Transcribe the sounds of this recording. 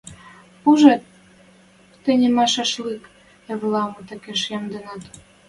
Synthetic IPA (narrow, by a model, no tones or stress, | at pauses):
puʒet̪̚ | enʲemɑʃɑʃlik | eβlɑmɤ̆t̪ə̆keʃjɑmd̪enɑt̪